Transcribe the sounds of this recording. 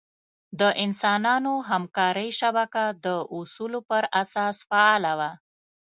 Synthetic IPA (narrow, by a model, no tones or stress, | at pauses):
d̪əʔɪnsɑnɑnoɦamkɑɾəjʃabakad̪əʔusulopəɾasɑsfaɑlawa